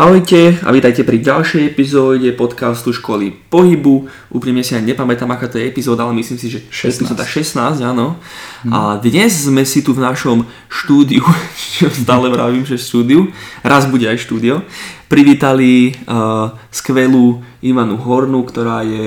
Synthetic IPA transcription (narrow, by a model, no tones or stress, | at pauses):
aɔjcɛa̰ʋit̪ajcɛpɾiɟalʃɛjɛpizɔːɟɛpɔt̪kast̪uʃkɔlḭpɔɦibu | ʔuːpɾimɲɛsiaɲɛpamɛt̪aːmakaːt̪ɔjɛɛpizɔːd̪aalɛmisliːmsiʒɛpizɔd̪aʃɛsnaːzɟanɔa̰d̪ɲɛzzmɛsit̪uvnaʃɔm | ʃt̪uːd̪iut͡ʃɔst̪aːlɛʋɾaːʋiːmʒɛʃt̪uːd̪iuɾazbuɟɛajʃt̪uːd̪iɔpɾiʋiːt̪ali | skʋɛluiʋanuɦɔɾnukt̪ɔɾaːjɛ